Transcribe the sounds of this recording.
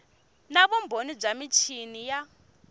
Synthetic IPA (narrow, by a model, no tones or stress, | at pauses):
naβumbʱonib͡ʐamit͡ʃʰinija